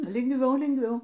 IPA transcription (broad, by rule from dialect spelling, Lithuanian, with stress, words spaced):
lʲɪŋɡˈʋʲɛʊ lʲɪŋɡˈʋʲɛʊ